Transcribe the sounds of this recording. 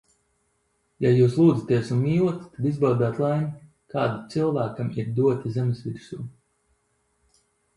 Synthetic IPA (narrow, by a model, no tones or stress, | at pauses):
jajuːslˠuːd̪zat̪iɛsunmiːuɔt̪i̥t̪ad̪izbawd̪aːt̪lˠajn | kaːd̪it̪sɨlˠvæːkamiɾd̪uɔt̪ʲizɛmsvʲiɾsuː